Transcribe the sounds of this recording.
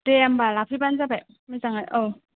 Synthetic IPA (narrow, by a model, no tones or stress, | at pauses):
deambalapʰibanzabaj | majzaŋajʔɔw